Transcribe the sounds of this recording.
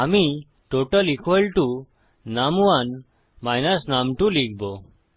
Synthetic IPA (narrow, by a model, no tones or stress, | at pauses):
ami | ʈoʈəlikʋəlʈu | namʋan | majnəsnamʈũliɡbo